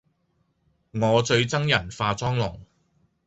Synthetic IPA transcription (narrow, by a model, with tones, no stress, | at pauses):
ŋɔː˨˧t͡sɵ˧ɥt͡sɐ˥ŋjɐ˨˩nfaː˧t͡sɔː˥ŋlʊ˨˩ŋ